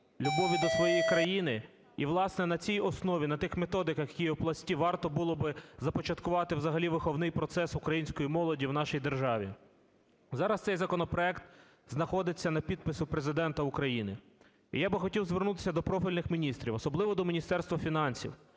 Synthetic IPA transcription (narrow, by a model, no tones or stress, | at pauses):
lʲubɔʋʲid̪ɔsʋɔjɛjikɾɐjinɪ | iʋlˠɑsnɛnɐt͡sʲijɔsnɔʋʲinɐt̪ɪxmet̪ɔd̪ɪkjɐkʲijɛwplˠɐsʲtʲiʋɑrt̪ɔbulˠɔbɪzɐpɔt͡ʃɐt̪kʊʋɑt̪ɪwzɐɦɐlʲiʋɪxɔwnɪjpɾɔt̪sɛsʊkɾɐjinʲsʲkɔjimɔlˠɔdʲiwnɑʃijd̪erʒɑʋʲḭ | zɑɾɐst̪sɛjzɐkɔnɔpɾɔɛkt̪ | znɐxɔd̪ɪt͡sʲːɐnɐpʲid̪̚pɪsʊpɾezɪd̪ɛnt̪ɐukɾɐjinɪ | ḭjabɪxɔtʲiwzʋernut̪ɪ̥sʲɐd̪ɔpɾɔfʲilʲnɪxmʲinʲist̪ɾʲiwɔsɔblˠɪʋɔd̪ɔmʲinʲist̪ɛrst̪ʋɐfʲinɑnʲsʲḭw